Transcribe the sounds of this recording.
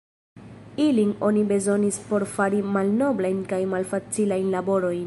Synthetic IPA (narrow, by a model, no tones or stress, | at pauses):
iliŋo̞nibe̞zo̞nispo̞ɾfaɾimalno̞blajnkajmalfat͡silajnlabo̞ɾo̞jn